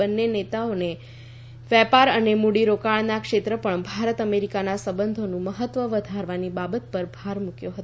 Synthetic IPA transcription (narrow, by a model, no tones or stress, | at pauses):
ənːenet̪aone | ʋɛpaɾənemuɽiɾokaɭnakʃet̪ɾəpəɳbʱaɾət̪əmeɾikanasəbənd̪ʱonũməɦət̪ːʋəʋəd̪ʱaɾʋanibabət̪̚pəɾbʱaɾmukjoɦət̪